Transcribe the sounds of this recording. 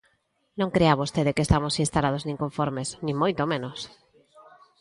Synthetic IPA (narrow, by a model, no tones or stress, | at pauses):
nõŋkɾeaβost̪eðekest̪amosinst̪alað̞oznĩŋkoɱfoɾmesnĩmojt̪omẽnos